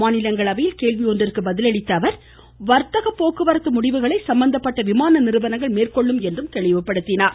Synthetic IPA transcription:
aːnɪlɐŋɡɐɭɐʋɐjɪlkeːɭʋiɔndrɪrkɯbɐðɪlɐɽɪt̪ːɐʋɐɾ | ʋɐɾt̪ɐɣɐpːoːkɯʋɐɾɐt̪ːɯmʊɽɪʋɯɣɐɭɐɪsɐmbɐnd̪ɐpːɐʈːɐʋɪmaːnɐnɪɾɯʋɐnɐŋɡɐɭmeːrkɔɭːɯmɛndrɯmt̪ɛɭɪʋɐpːɐɽɯt̪ːɪnaːɾ

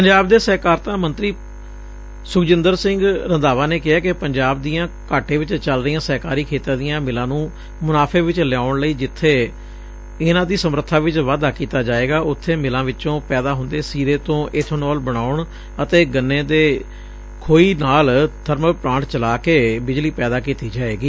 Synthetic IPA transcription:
pəɲd͡ʒaːb̚d̪eːsɛːkaːɾt̪ãːmənt̪ɾiː | sʊkd͡ʒɪ̃nd̪əɾsɪ̃ŋɡɾənd̪aːʋaːneːkɪaːkɪpəɲd͡ʒaːb̚d̪ijãːkaːʈẽːʋɪt͡ʃt͡ʃəlɾɪjãːsɛːkaːɾiːkʰeːt̪ãːd̪ɪjãːmɪlãːnũː | mʊnaːpʰeːʋɪt͡ʃlɛaːʊɳləiːd͡ʒɪt̪ʰːeː | ɪnãːd̪iːsəmɾət̪ʰːaːʋɪt͡ʃʋaːd̪aːkiːt̪aːd͡ʒaːeːɡaːʔʊt̪ʰːeːmɪlãːʋɪõːpɛːd̪aːɦʊ̃nd̪eːsiːɾeːt̪õːʔeːt̪ʰonɔːlbəɽaːʊɳ | ət̪eːɡənːẽːd̪eː | kʰoːiːnaːld̪ʱəɾmpɾãːɳʈt͡ʃəlaːkeːbɪd͡ʒliːpɛːd̪aːkiːt̪iːd͡ʒaːeːɡiː

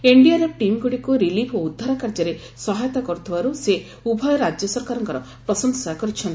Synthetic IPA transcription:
eɳɖijaɾɔʈimɡuɽikuɾilipʰoud̪ʱːaɾakaɾd͡ʒɔɾe | sɔɦajɔt̪akɔɾut̪ʰibaɾuse | ubʱɔjɔɾad͡ʒjɔsɔɾkaɾɔŋkɔɾɔ | pɾɔsɔŋsakɔɾit͡ʃʰɔnt̪i̥

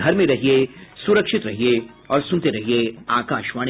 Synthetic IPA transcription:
ɐɾmẽɾɐɦiesʊɾəkʃɪt̪ɾɐɦie | ɔːɾsʊ̃nt̪eɾɐɦieaːkaːʃʋaːɽ̃

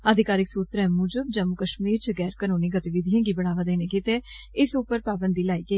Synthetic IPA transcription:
əd̪ʱɪkaːɾɪksuːt̪ɾɛ̃ːmuːd͡ʒəb̚d͡ʒəmʊkəʃmɾiːt͡ʃɡɛːɾkənoːniːɡət̪iʋɪd̪ʱijãːɡiːbəɽ̃aːʋaːd̪eːneːkɪt̪eɪsʊpːəɾpaːbənd̪iːlaːiːkeː

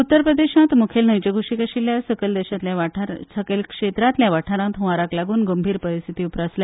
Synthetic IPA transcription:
ut̪ːəɾpɾəd̪eɕãt̪mukʰelnəjd͡ʑəɡʱuʂikəɕilːjasəkəld̪ɛɕat̪ljaʋaʈʰaɾsəkelkʂet̪ɾãt̪ljaʋaʈʰaɾãt̪ɦʋaɾaklaɡuːnɡəmbʱiːɾpəɾist̪ʰit̪iːupɾasla

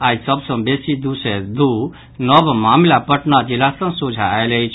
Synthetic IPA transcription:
ad͡ʒsəbsə̃besid̪used̪u | nəbmamlapəʈnad͡ʒilasə̃ŋsod͡ʒʱaeləjt͡ʃʰ

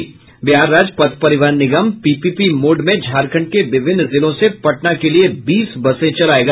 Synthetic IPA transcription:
bjaːɾːaːd͡ʒpɐt̪pɐɾɪʋaːɾnɪɡəmpiːpipimoːɖmẽd͡ʒʱaːɾkʰə̃ɳɖ̚keʋɪʋʱɪnzɪlõsepɐʈnakeliebiːsbɐsẽt͡ʃɐlaːeːɡaː

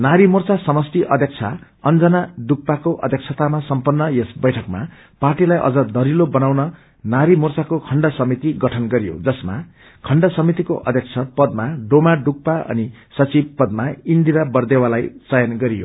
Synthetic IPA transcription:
naɾimurt͡sasʌmʌsʈ̪iʔʌd̪ʱjek̚t͡sʰa | ʌnd͡zʌnaɖuk̚pakoʔʌd̪ʱjʌkt͡sʰʌt̪amasʌmpʌnːʌjesbʌjʈʰʌkma̰ | parʈilajʔʌ̰d͡zʌd̪ʌɾilobʌnawnʌ | naɾimurt͡sakokʰʌɳɖʌsʌmit̪iɡʌʈʰʌnɡʌɾijo̰d͡zʌsma̰ | kʰʌɳɖʌsʌmit̪ikoʔʌ̰d̪ʱjek̚t͡sʰʌpʌd̪maɖomaɖuk̚paʌ̰ni | sʌt͡sibpʌd̪̚maind̪iɾabʌrd̪ewalajt͡sʌjʌnɡʌɾijo̰

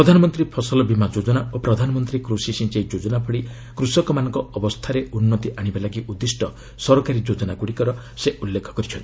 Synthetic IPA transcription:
ɾɔd̪ʱanɔmɔnt̪ɾipʰɔsɔlɔbimad͡ʒod͡ʒɔnaopɾɔd̪ʱanɔmɔnt̪ɾikɾusisĩnt͡ʃejd͡ʒod͡ʒɔnapʰɔɽi | kɾusɔkɔmanɔŋkɔɔbɔst̪ʰaɾeunːɔt̪iʔaɽ̃ibalaɡiʔud̪ːisʈɔ | sɔɾɔkaɾid͡ʒod͡ʒɔnaɡuɽikɔɾɔ | seʔulːekʰɔ̥kɔɾit͡ʃʰɔnt̪i

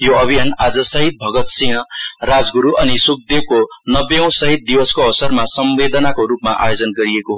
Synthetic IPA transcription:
joʌbʱijanad͡zʌsʌɦit̪̚bʱʌɡʌt̪sinʌrad͡zɡuɾuʔʌnisuk̚d̪eb̚konʌbjʌ̃w̃sʌɦit̪̚d̪ibʌskoʌwsʌrmasʌmbed̪ʌnakoɾupmaʔa̰jod͡zʌnɡʌɾieko

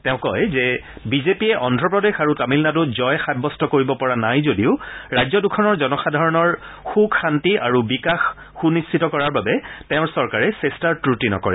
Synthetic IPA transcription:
tɛʊ̃kɔjzɛbizepiɛʔɔndʱɹɔpɹɔdexaɹutamilnadʊzɔjxad̚bɔstɔkoɹibɔpɔɹanajzodiʊɹajzɔdukʰɔnɔɹzɔnɔxadʱaɹɔnɔɹ | xuɡxantiʔaɹubikaxː | unistʰitɔkɔɹaɹbabɛtɛʊ̃ɹsɔɹkaɹɛsestaɹtɹutinɔ̰kɔɹɛ

